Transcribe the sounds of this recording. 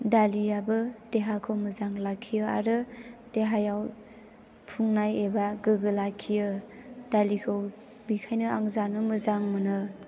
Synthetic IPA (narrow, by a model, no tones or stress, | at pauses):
dalijabɯdeɦakʰɯwmɯzaŋlakʰːijɯa̰ɾɯd̥eɦajaw | pʰuŋnajebaɡɯɡɯlakʰijɯd̥alikʰɯw | bikʰajnɯaŋzanɯmɯzaŋmɯnɯ